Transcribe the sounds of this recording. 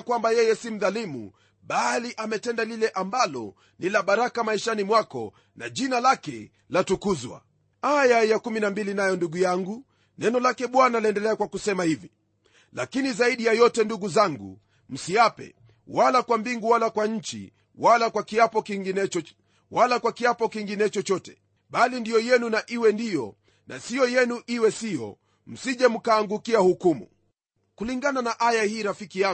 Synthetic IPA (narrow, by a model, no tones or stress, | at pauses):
kwambajɛjɛsim̩ðalimṵ | ɓaliʔamɛtɛndalilɛʔambalɔ̰ | nilaɓaɾakamaiʃanimwakɔ̰ | na̰ʄinalakɛ | latukuzwa̰ | ajajakuminambilinajɔnduɡujaŋɡu | nɛnɔlakɛɓwanaliɛndɛlɛakwakusɛmahivi | la̰kinizaiɗijajɔtɛnduɡuzaŋɡṵ | m̩siapɛ̰ | walakwambiŋɡuwalakwaɲ̩t͡ʃḭ | walakwakiapɔkiŋɡinɛɔ | walakwakiapɔkiŋɡinɛt͡ʃɔt͡ʃɔtɛ̥ | ɓalindijɔjɛnunaʔiwɛndijɔ̰ | na̰sijɔjɛnuʔiwɛsijɔ̰ | m̩siʄɛm̩kaːŋɡukiahukumṵ | kuliŋɡananaʔajahiːɾafikija